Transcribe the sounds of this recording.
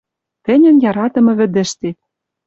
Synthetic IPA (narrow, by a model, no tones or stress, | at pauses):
t̪ɘ̆nʲɘ̆njɑɾɑt̪ɤ̆mɤ̆βɘ̆d̪ɘ̆ʃt̪e